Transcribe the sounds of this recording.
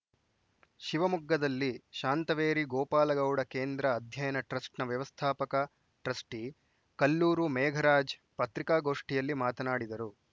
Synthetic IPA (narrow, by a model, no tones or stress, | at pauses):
ʃiʋɐmuɡːɐd̪ɐlːiʃaːnt̪ɐʋeːɾiɡɔːpaːlɐɡɐwɽɐkeːnd̪ɾɐːd̪ʱjɐjɐnɐʈɾɐsʈnɐʋjɐʋɐst̪ʰaːpɐkɐ | ʈɾɐsʈi | kɐlːuːɾumɛːɡʱɐɾaːd͡ʒ | pɐt̪ɾikaːɡo̞ːʂʈijɐlːimaːt̪ɐnaːɽid̪ɐɾu